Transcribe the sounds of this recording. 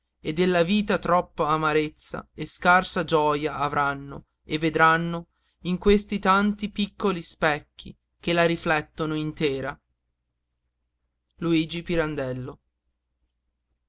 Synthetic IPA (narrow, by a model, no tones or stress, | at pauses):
ed̪ːelːaviːt̪at̪ɾɔpːoamaɾet̪sːa̰eskarsad͡ʒɔːjaʔːvɾanːo̰ | evːed̪ɾanːo | iŋkwest̪it̪ant̪ipikːolispɛkːḭ | k̟elaɾiflɛt̪ːonoint̪eːɾa | luiːd͡ʒipiɾand̪ɛlːo